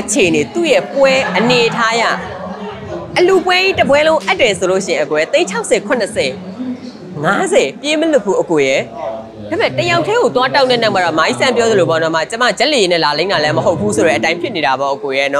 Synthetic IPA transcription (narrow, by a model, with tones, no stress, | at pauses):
ʔət͡ɕʰe˨ʔəne˨t̪ṵ˦˨jɛ˦˨pwɛ˦ʔəne˨ʔətʰa˦ja̰˦˨ | ʔəlu˨pwɛ˦ʔḭ˦˨tə˨pwɛ˦lõ˦ʊ̃ʔa˦tːwɛ˨sʰo˨lo̰˦˨ʃɪ̃˦˨ɪ̃˨ʔə˨kwɛ˨˦t̪ẽ˦ɪ̃ɲt͡ɕʰa˦ʊʔsʰɛ˨kʰʊ̃˨nə˨sɛ˨ | ŋa˦zɛ˨pje˦məlʊ˦˨pʰːṵ˦ʔəko˨jɛ˦ | da˨mɛ̃˦˨təja˨ʊtʰːɛ˦ɣo˨t̪wa˦ta˦ʊnɛ̃˦˨nã˦˨ma˦˨ɾɔ̰˦˨ma˨ḭ˦˨sã˦mp̬jɔ˦ðə˨lo˨bɔ˦nɔ˨ma̰˦˨t͡ɕə˦ma̰˦˨d͡ʑa˦ʔle˨je˦nɛ̰˦˨la˨lẽ˦ɪ̃na˨lɛ˦məɦo˦ʊpʰːu˦so˨ɾɛ˦ʔətã˦ɪ̃pʰjɪ˦ʔne˨ɾa˨bɔ˦ʔə˨ko˨jɛ˦nɔ˦